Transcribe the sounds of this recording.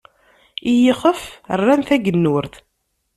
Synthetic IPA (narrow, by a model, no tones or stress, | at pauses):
ijəχəfərːænθæɡənːʊɾθ